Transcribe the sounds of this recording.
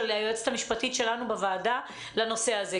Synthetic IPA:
eleajoet͡se̥t̪amiʃpatitʃe̞lanubevaːda | lano̞se̞aze

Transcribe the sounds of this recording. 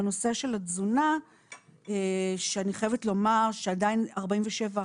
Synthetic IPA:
no̞seʃe̞lazuna | eʃeaniχojevetlo̞maʁʃeadainaʁbaiɱveʃe̞va

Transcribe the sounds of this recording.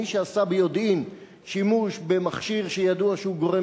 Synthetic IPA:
iʃeasabejo̞d̪ʔim | ʃimuʃbe̞maχʃiʁʃejad̪uaʃehuɡo̞ʁe

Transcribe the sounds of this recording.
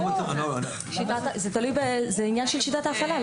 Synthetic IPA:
mat̪ano | ʃit̪at̪zet̪alujbezeinjanʃelʃit̪at̪aːfala

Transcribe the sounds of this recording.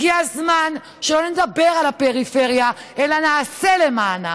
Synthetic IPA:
iazman | ʃeloned̪abe̞ʁalapeʁife̞ʁja | elanaːse̞le̞maːna

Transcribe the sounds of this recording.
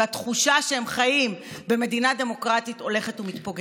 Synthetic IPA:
atχuʃaʃehemχajimbe̞me̞dinade̞mo̞kʁatito̞le̞χe̞tumitpo̞ɡ

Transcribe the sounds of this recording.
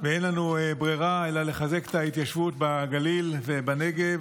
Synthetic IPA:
veenlanuebʁiʁaelale̞χaze̞ke̥tait̪jaʃvut̪̚baɡalilvebaneɡev

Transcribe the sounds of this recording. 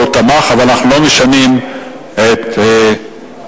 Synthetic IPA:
ot̪amaχavalanaχnulo̞meʃanim | et̪e

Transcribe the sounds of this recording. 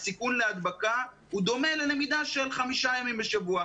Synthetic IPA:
sikunle̞ad̪baka | hud̪o̞me̞le̞le̞mid̪aʃe̞lχamiʃajamimbe̞ʃavua

